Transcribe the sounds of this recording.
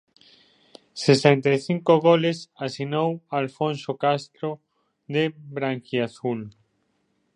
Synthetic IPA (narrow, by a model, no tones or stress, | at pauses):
sesent̪ajθiŋkoɣolesasinowalfõnsokast̪ɾo | ðebɾaŋkjiaθul